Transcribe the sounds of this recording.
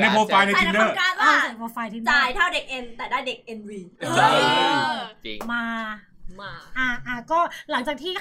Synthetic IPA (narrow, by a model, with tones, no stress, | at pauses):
na˧boː˧fa˧jna˧˦˧ndɤː˥˩kaː˧aaː˥˧˩a˨˩bɔː˧faː˧jt̪ʰi˧ndt͡ɕaː˧˩jt̪ʰaː˥˩wde˨˩k̚ʔe˧nt̪ɛː˨˩daː˥˩jde˨˩k̚ʔe˧nwiː˧ɯː˧ | maː˧ | ʔaː˧˩ʔaː˧˩kɔː˥˩la˨˩˦ŋt͡ɕa˨˩k̪̚ʰiː˥˩